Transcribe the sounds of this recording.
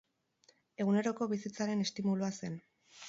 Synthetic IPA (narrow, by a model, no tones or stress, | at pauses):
e̞ɣune̞ɾo̞ko̞βisit͡saɾe̞ne̞st̪imuluase̞n